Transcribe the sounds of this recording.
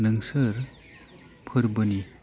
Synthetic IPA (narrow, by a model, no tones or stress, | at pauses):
nɯŋsəɾ | pʰɯɾbɯni